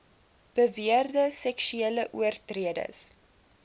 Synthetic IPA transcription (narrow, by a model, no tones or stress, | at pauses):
b̥əviərdəsɛkʃyeləʔuərtriədə̰s